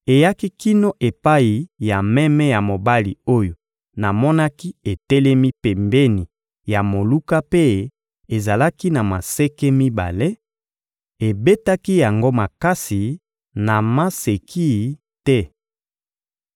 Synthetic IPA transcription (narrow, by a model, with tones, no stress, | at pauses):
e˨ja˦ki˦ki˦no˦ʔe˨pa˦i˨ja˨mɛ˦mɛ˦ja˨mo˨ba˦li˨o˦jo˨ | na˨mɔ˦na˦ki˦e˨tɛ˦lɛ˦mi˦pɛ˨mbe˦ni˨ | ja˨mo˨lu˦ka˦pe˦ | e˨za˨la˦ki˦na˨ma˨sɛ˦kɛ˦mi˦ba̰˨le˦ | e˨be˦ta˦ki˦ja˨ŋɡo˦ma˨ka˦si˨ | na˨ma˦se˨kʰi˦ | tɛ˦